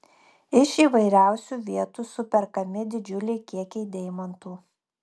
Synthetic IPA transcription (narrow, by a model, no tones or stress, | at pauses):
ɪʃiːʋɐɪɾʲæˑʊsʲuːʋʲiɛt̪uːsʊpʲɛɾkɐmʲɪd̪ʲɪd͡ʒʲʊlʲɛɪkʲiɛkʲɛɪd̪ʲɛɪmɐnt̪uː